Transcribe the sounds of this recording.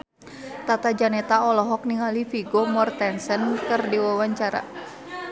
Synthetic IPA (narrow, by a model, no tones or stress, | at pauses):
t̪at̪ad͡ʒanɛt̪aɔlɔɦɔk̚niɦalifiɡomɔrt̪ɛnsənkɨrdiwawaɲt͡ʃaɾa̰